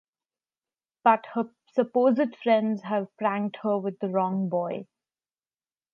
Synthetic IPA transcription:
b̥ʌʈhə | səpoːzɪɖfɾɛ̃nɖzæʋpɾæ̃ŋɖhəʋɪd̪ːəɾɔ̃ŋbɔɪ

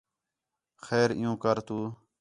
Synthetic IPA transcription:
xeːɾɪ̰jũːkəɾt̪uː

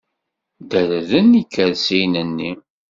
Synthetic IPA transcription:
d̪æɾəðənikːəðsinənːi

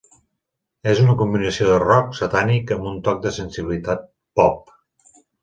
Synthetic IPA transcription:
ezunəkumbinəsioðərɔksat̪anikəmbunt̪ɔk̚d̪əsənsiβilit̪at̪̚ | pɔp̚

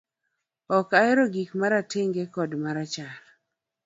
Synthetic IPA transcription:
ɔkaɪɾoɡikmaɾatɪŋɡekɔdmaɾat͡ʃaɾ

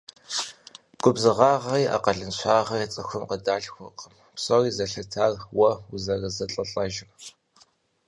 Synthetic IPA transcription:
ɡ̥ʷʼʊbzɨʁɑːʁɐiːʔa̰qɐɮɨnɕʷʰaːʁɐt͡sʼɨxʷʊmqədaːɬxʷʊqəm | psoriːzɐɬɐtʰaːrwɐʊzɐrɐzɐɬʼɐɬʼɐʒɪm

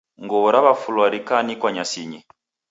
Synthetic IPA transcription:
ŋɡɔβɔɾaβafulwaɾikanikwaɲasiɲi

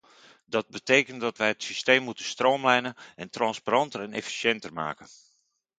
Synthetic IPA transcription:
dɔd̚bəteːkəntdɔtʋɛjətsisteːmːutənstroːmlɛjnənɛntrɑnspaɾɑntərɛnḛfi̥sjɛntərma̰ːkən

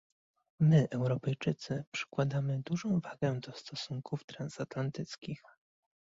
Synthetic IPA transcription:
mɘʔɛwɾɔpɛjt͡ʂɘt̪sɘpʂɘ̥kwad̪amɘd̪uʐɔ̃w̃vaɡɛd̪ɔst̪ɔsuŋkuft̪ɾansat̪lant̪ɘt̪skʲix

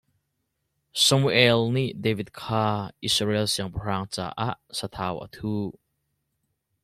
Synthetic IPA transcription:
sɐmuʔɛlniʔdevit̪̚kʰaːʔisrɛlsiəŋpər̥aːŋt͡sa̰ːʔaʔsat̪ʰaːwʔə̰t̪ʰuː

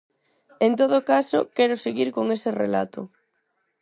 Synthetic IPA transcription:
ent̪oð̞okaso̰kɛɾʊseɣiɾkoŋeserḛla̰t̪ʊ̰

